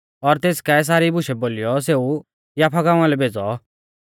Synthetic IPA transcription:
ɔɾt̪eːskɛs̬aːɾibʊʃɛboːlijɔseːu | jaːpʰaɡãːʊ̃ãlɛbʱeːd͡zɔ

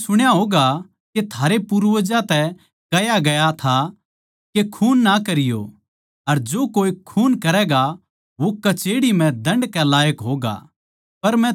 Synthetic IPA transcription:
sʊɽ̃jaɦoːɡa | ket̪ʰaːɾepuɾʋəd͡ʒãt̪ɛ | kɐjaɡɐjat̪ʰa | kekʰuːnːakɐɾɪjo̰ | ɐɾd͡ʒoːkoːikʰuːnkɐɾɛːɡa | ʋokɐt͡ʃeːɽimɛ̃d̪ɐ̃ɳɖkɛlaːjəkɦoːɡa̰ | pɐɾmɛ̃

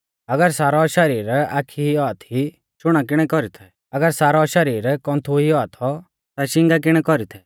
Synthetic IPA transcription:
ɐɡəɾsaːɾɔʃɐɾiːɾaːkʰiiɔat̪ʰi | t͡ʃʊɽ̃ak̬ɪɽ̃ɛkɔɾit̪ʰɛ | ɐɡəɾsaːɾɔʃɐɾiːɾkɔ̃nt̪ʰuɦiɔat̪ʰɔ | t̪aʃɪ̃ŋɡak̬ɪɽ̃ɛkɔɾit̪ʰɛ

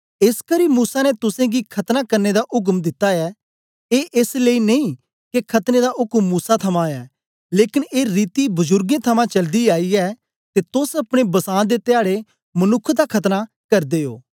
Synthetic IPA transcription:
ɪskəɾimuːsanɛt̪ʊsẽɡikʰɐt̪nakɐɾned̪aʔʊk̬md̪ɪt̪ːaɛː | eːʔesleineĩ | kekʰɐt̪ned̪aʔʊkmːuːsat̪ʰɐmãːɛː | leːkɪneːɾiːt̪ibʊzʊɾɡẽt̪ʰɐmãt͡ʃɐld̪iaːiɛː | t̪et̪ʊsɐpɽ̃ebɐsãːd̪et̪ɪaːɽe | mɐnʊkʰːd̪akʰɐt̪na | kɐɾd̪eːo̰ː

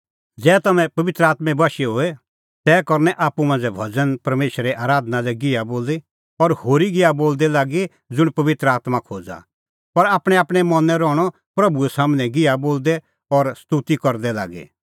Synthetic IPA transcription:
d͡zɛːt̪ɐmɛ̃pɐʋɪt̪ɾəaːt̪mɛ̃bɐʃɛɦoːɛ | t̪ɛːkɔɾnɛʔaːpumãːnd͡zɛbʱɐd͡zənpɐɾmeːʃɾɛʔaːɾaːd̪ənalɛɡɪaboːle | ɔɾhoːɾiɡɪaboːld̪ɛlaːɡi | d͡zʊɽ̃pɐʋɪt̪ɾəaːt̪makʰoːd͡za̰ | pɐɾaːpɽ̃ɛaːpɽ̃ɛmɐnɛɾɔːɽ̃ɔ | pɾɐbuɛsaːmnɛ̃ɡɪaboːld̪ɛ | ɔɾst̪ut̪ikɔɾd̪ɛla̰ːɡḛ

